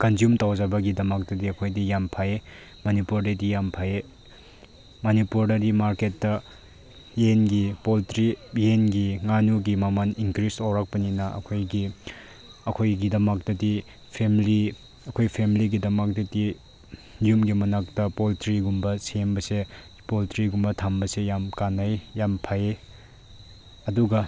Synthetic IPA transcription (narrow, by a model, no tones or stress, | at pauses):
kɐnzjumtawzɐbɐɡidɐmɐk̚tɐdiɐkʰojdijampʰaje | mɐnipuɾdɐdijampʰaje | mɐnipuɾdɐɾimaɾketːɐ | jenɡipoltɾijenɡiŋanuɡimɐmɐniŋkɾisowɾak̚pɐninɐɐ̰kʰojɡi | ɐkʰojɡidɐmɐk̚tɐdi | pʰemili | ɐkʰojpʰemiliɡidɐmɐk̚dɐdi | jumɡimɐnak̚tɐpoltɾiɡumbɐsembɐse | poltɾiɡumbɐtʰambɐsejamkanajjampʰaje | ɐduɡɐ